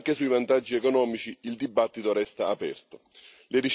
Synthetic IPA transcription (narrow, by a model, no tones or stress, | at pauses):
ŋkesujvant̪ad͡ʒːiɛkonɔːmit͡ʃiild̪ibːat̪ːit̪oɾɛst̪aːpɛ̰rt̪o | leɾit͡ʃ